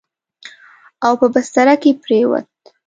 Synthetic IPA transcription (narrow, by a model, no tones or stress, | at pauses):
awpəbast̪aɾakepɾewa̰t̪̚